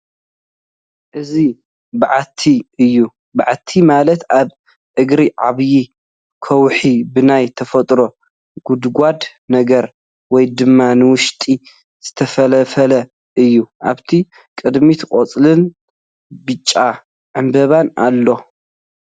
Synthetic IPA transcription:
ʔɨzi | bɨʕat̪ʰːiʔɨjːu | baʕat̪ʰːimalɐt̪aβ | ʔɨɡɾiʕa̰βji | kʰɐwħibɨnajt̪ʰɐfɐt̪ʼɾo̞ | ɡ̥ud̪ɡʷad̪ | nɐɡɐɾ | wɔjd̪ɨmːanɨwʊʃt̪ʼi | z̥ɨt̪ʰɐfɐlɐfɐlɐ | ʔɨjːuʔa̰βt̪ʰi | kʼɨd̪mit̪ʰɨkʼot͡sʼlɨn | bɨt͡ʃʼːa | ʕɨmbɐβanʔa̰lːo̞

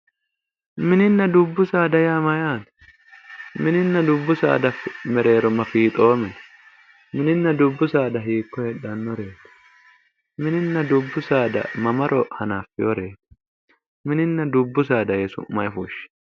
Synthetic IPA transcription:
mɪnɪnːɐd̪ʊbːʊsaːd̪ɐjaːmɐjaːt̪ | mɪnɪnːɐd̪ʊbːʊsa̰ːd̪ɐfɪmɛɾe̞ːɾɔmɐfiːt̪ʼoːmɪn | mɪnɪnːɐd̪ʊbːʊsaːd̪ɐɦiːkːɔhɛᶑɐnːɔɾeːt̪ɛ̥ | mɪnɪnːɐd̪ʊbːʊsaːd̪ɐ̰mɐmɐɾʔɔhɐnaːfɪɔɾeːt̪ | mɪnɪnːɐd̪ʊbːʊsaːd̪ɐjɛsʊ̰mɐjɪfuːʃɪ̥

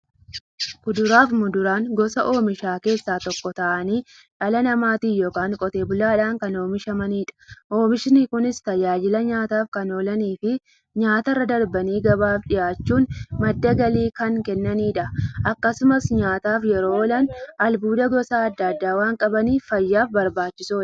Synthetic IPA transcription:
kʊd̪ʊɾaːfmʊd̪ʊɾaːŋɡɔsɐʔo̞ːmɪʃaːke̞ːsːaːt̪ɔkːɔt̪ɐʔɐniː | ᶑɐlɐnɐmaːt̪iːjoːkaːŋkʼɔt̪e̞ːbʊlaːᶑaːŋkɐnoːmɪʃɐmɐniːᶑɐ̥ʔo̞ːmɪʃɪnɪkʊnɪst̪ɐd͡ʒaːd͡ʒɪlɐɲaːt̪aːfkɐno̞ːlɐniːfɪ | ɲaːt̪ɐrːɐd̪ɐɾbɐniːɡɐbaːfᶑɪjaːt͡ʃːuːnmɐd̪ːɐɡɐliːkɐŋkɛnːɐniːᶑɐʔɐkːɐsʊmɐsɲaːt̪aːfjɛɾoːoːlɐnʔɐlbuːd̪ɐɡɔsaːɐd̪ːɐd̪ːaːwaːŋkʼɐbɐniːfɐjːaːfbɐɾbaːt͡ʃːɪsoː

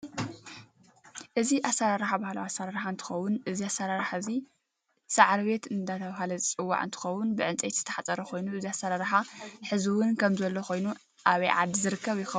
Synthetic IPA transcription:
ʔɨziʔasːaɾaɾaħabahlawasːaɾaɾħaɨnt̪ʰɨ̥xɐwːʊnʔɨziasːaɾaɾaħazi | saʕaɾβe̞t̪ɨnd̪at̪ʰɐβahalɐzɨt͡sʼɨwːa̰ʕɨ̰nt̪ʰɨ̥xɐwːʊnbɨʕɨnt͡sʼejt̪zɨ̥t̪ʰɐ̥ħat͡sʼɐɾɐxʰo̞jnuʔɨziasːaɾaɾaħaħɨziwʊnkʰɐmzɐlːoxo̞jnu | ʔaβɐjʕa̰d̪zɨɾɨkːɐβjɪxɐw

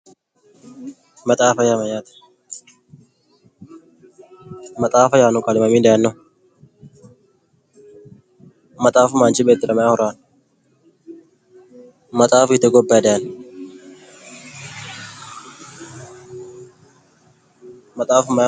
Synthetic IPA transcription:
mɐt̪ʼaːfɐjaːmɐjaːt̪ | mɐt̪ʼaːfɐjaːnʊkʼalɪmɐmiːd̪ɛjɐnːɔ | mɐt̪ʼaːfʊmaːnt͡ʃɪbeːt̪ːɪɾɐmɐjahʊɾaːn | mɐt̪ʼaːfʊɪt̪ɛɡɔbːad̪ɛɐn | mɐt̪ʼaːfʊmɐ

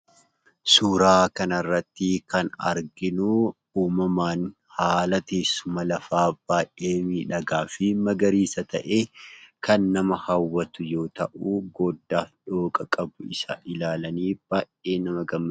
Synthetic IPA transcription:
suːɾaːkɐnɐrːɐt̪ːɪkɐnɐ̰ɾɡɪnʊ | uːmɐmaːn | haːlɐt̪eːsːʊmɐlɐfaːb̥aːjʔʔe̞ːmiːᶑɐɡaːfɪmɐɡɐɾiːsɐt̪ɐʔe̞ːkɐnːɐmɐhɐwːɐt̪ʊjo̞ːt̪ɐʔuːɡɔd̪ːaːᶑo̞ːkʼɐkʼɐbʊɪsaʔɪlaːlɐniːb̥aːjʔe̞ːnɐmɐɡɐmːɐ

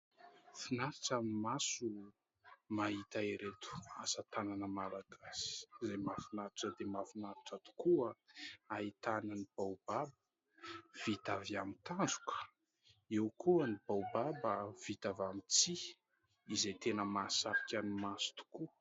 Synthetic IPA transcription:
finaɾiʈ͡ʂamimasu | mait̪aiɾet̪u̥asat̪ananəmalaɡasi̥zemafinaɾiʈ͡ʂəd̪emafinaɾiʈ͡ʂat̪u̥kuəait̪ananib̥awbabə | v̥it̪aviamit̪and͡zu̥kə̥ | ewkʰuənibawbabəv̥it̪avamit͡siː | zet̪enəmasaɾikʲanimasu̥t̪u̥ku

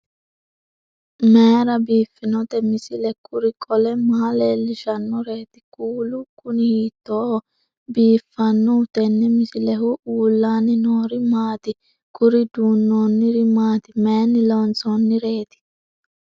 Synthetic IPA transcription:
meːɾɐbiːfːɪnɔt̪ɛmɪsɪlɛkʰʼʊɾɪkʼɔlɛmɐhɐleːlːɪʃɐnːɔɾe̞ːt̪ɪ̥kʼuːlʊkʊnɪhiːt̪ːoː | biːfːɐnːɔʊt̪ɛnːɛmɪsɪlɛhʊʔuːlːaːnɪnoːɾɪmaːt̪ɪ | kʊɾɪd̪uːnːoːnːɪɾɪmaːt̪ɪmeːnːɪlont͡soːnːɪɾeːt̪ɪ̥

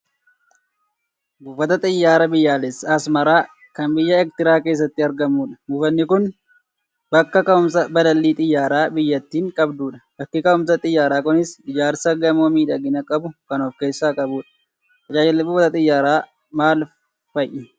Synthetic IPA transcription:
buːfɐt̪ɐt̪ʼɪjːaːɾɐbɪjːaːlɛsɐsmɐɾaː | kɐnbɪjːɐɛk̚t̪ɪɾaːke̞ːs̬ːɐt̪ːɪɐɾɡɐmːuːᶑɐ̥buːfɐnːɪkʊn | bɐkːɐkɐʊmsɐbɐlɐlːiːt̪ʼɪjːaːɾaːbɪjːɐt̪ːiːŋkʼɐbd̪uːᶑɐ̥bɐkːɪkɐʊmsɐt̪ʼɪjːaːɾaːkʊnɪsɪd͡ʒaːɾsɐɡɐmoːmiːᶑɐɡɪnɐkʼɐbʊkɐnoːfke̞ːsːaːkʼɐbuːᶑɐ̥ | ɐd͡ʒaːd͡ʒlbuːfɐt̪ɐt̪ʼɪjːaːɾaː | maːl | fɐjʔɪ

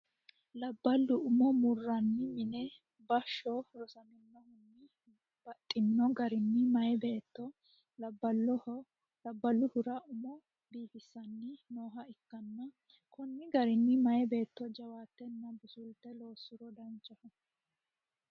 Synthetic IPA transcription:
lɐbːɐlːʊʊmɔmʊrːɐnːɪmɪnɛ | bɐʃːɔɾɔsɐnɪnːɔhʊnːɪ | b̥ɐt̪ʼːɪnːɔɡɐɾɪnːɪmɐjɛbeːt̪ːɔ | lɐbːɐlːɔ | lɐbːɐlːʊhʊɾɐʊmɔ | biːfɪsːɐnːɪno̞ːɦɐɪkːɐnːɐ | kɔnːɪɡɐɾɪnːɪmɐjɛbe̞ːt̪ːɔd͡ʒɐwaːt̪ːɛnːɐbʊsʊlt̪ːɛlo̞ːsːʊɾɔd̪ɐnt͡ʃʼːɐfɔ

